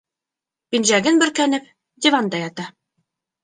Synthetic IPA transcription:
binʒæɡɘnbɵ̆ɾkænɘp | d̪ʲɪvand̪ɑjɑt̪ɑ

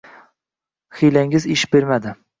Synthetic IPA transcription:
χilaŋɪzɪʃbeɾmad̪ɪ

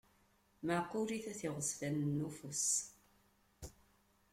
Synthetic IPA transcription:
məqːuɾiθæθiʁəsfænnːufəs

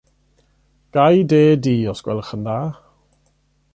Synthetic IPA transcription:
ɡ̥ajdeːdiːɔsɡ̥wɛ̰lˠəχəndaː

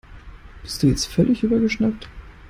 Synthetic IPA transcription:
b̥ɪst̚d̥uːjɛt͡stfœlɪçʔyːbɐɡəʃnak̚t

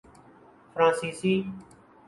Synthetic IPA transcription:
fʰɾãːsiːsiː

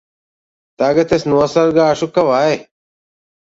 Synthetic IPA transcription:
t̪aːɡɐt̪esnuɐsɐɾɡaːɐʂukɐʋaːe

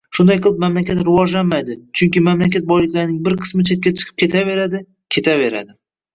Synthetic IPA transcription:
ʃʊnd̪ajqʰɨlˠɪp̚mamlakʲat̪ɾɪvɒd͡ʒlanmajd̪ɪt͡ʃʰʊŋkʲɪmamlakʲat̪̚bɒjlɪkʲlaɾɪnɪŋbɪɾqʰɨ̥smɪt͡ʃʰet̪̚kʲat͡ʃʰɨ̥qʰɨ̥p̚kʲe̞t̪ʰave̞ɾad̪ɪ | kʲʰe̞t̪ʰave̞ɾa̰d̪ɪ

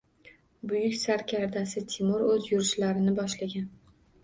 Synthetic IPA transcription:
bʊjʊkʲsaɾkʲʰaɾd̪asɪt̪ʰɪmʊɾɵzjʊɾɪʃlaɾɪnɪbɒʃlaɡʲan

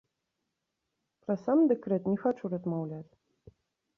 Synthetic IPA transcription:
pɾɐsamd̪ɛkɾɛt̪nʲɛxat͡ʂuɾɐzmawlʲat͡sʲ

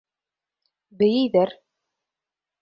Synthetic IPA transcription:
bɘ̆jɘjðæɾ

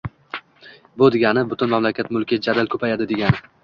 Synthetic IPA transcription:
bʊd̪eɡʲanɪbʊt̪ʰʊnmamlakʲat̪mʊlkʲɪd͡ʒad̪alkʰɵpʰajad̪ɪd̪e̞ɡʲanɪ

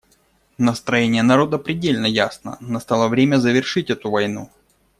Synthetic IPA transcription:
nəst̪ɾɐjenʲɪjənɐɾo̞d̪əpɾʲɪdʲelʲnəjasnə̰nɐst̪alˠəvɾʲemʲəzəvʲɪrʂɨtʲɛt̪ʊvɐjnu

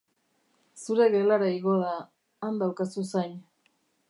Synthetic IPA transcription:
suɾe̞ɣelaɾaiɣo̞ðaː | nd̪awkasusajɲ

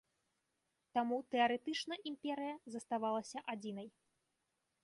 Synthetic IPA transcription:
t̪amut̪ɛɐɾɛt̪ɨt͡ʂnɐʔimpʲɛɾɨjɐzɐst̪avalˠɐsʲɐʔad͡zʲinɐj

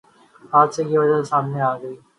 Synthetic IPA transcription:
aːd͡ʒsekiʋɐd͡ʒasaːmneaːɡəiː

